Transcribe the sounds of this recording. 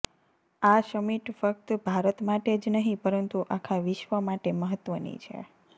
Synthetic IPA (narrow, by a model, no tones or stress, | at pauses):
aʃəmiʈfək̚t̪bʱaɾət̪maʈed͡ʒnəɦĩpəɾənt̪uʔakʰaʋɪʃʋəmaʈeməɦət̪ʋənḭt͡ʃʰḛ